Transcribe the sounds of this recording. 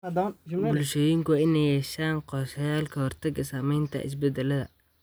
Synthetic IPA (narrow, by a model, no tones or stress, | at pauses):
d̪bʊlʃɔːjɪŋkʰʊwɪnɛjɛʃaːnqɔːʃɐjaːlkʰɐhɔrt̪ʰɐɡɐsaːmɛjnt̪ʰɐ̰ʔɪ̰s̬bɛd̪ɛlɐðɐ̰